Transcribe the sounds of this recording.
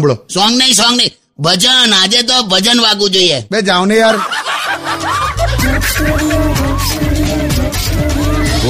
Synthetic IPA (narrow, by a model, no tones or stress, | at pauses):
mbɭosɔ̃ŋɡnəĩsɔ̃ŋɡnəi | bʱəd͡ʒənad͡ʒet̪̬obʱəd͡ʒənʋaɡũd͡ʒoiebed͡ʒãwnejaɾ